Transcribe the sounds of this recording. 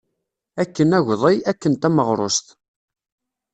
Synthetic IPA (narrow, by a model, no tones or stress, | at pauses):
ækːənæʝðˤijækːənt̪æməʁɾˤo̰st̪